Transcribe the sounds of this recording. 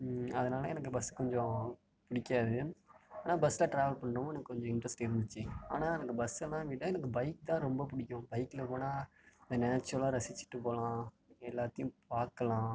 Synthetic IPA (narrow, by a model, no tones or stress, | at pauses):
ɐðɐnaːlɐɛnɐk̬ːɯbɐsːɯ̥kɔɲd͡ʒɔ̃ | pʊɽɪkːaːðɯaːnaːbɐsːɪlaːʈɾaːʋɐlpɐɳːɾɯm̃ːɛnɐkːɯkɔɲd͡ʒɔ̃ɪɳʈɾɐsʈɪɾɯnd̪ɯt͡ʃːɯa̰ːnaːɛnɐkːɯbɐsɛlːãːʋɪʈːɐɛnɐk̬ːɯbɐɪk̚t̪ãːɾɔmbɐp̬ʊɽɪkʲːʊ̃bɐɪkːlɐpoːnaː | nd̪ɐnaːt͡ʃːʊɾɐlaːɾɐsɪt͡ʃːɪ̥ʈːɯpoːlãː | ɛlːaːt̪ːɐjʊ̃paːɾkɐlãː